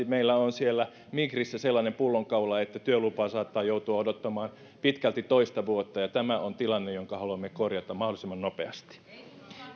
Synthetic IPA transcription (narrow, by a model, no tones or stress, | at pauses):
meilːæonsielːæ | mikrisːæselːɑːnempulːoŋkɑulɑet̪ːæt̪yølupɑːsɑːt̪ːɑːjout̪uɑodot̪ːɑmɑːn | pit̪kælt̪it̪oist̪ɑʋuot̪ːɑjɑt̪æmæʔont̪ilɑnːejoŋkɑhɑluɑmːekorjɑt̪ɑmɑholisemːɑnnopeɑst̪i̥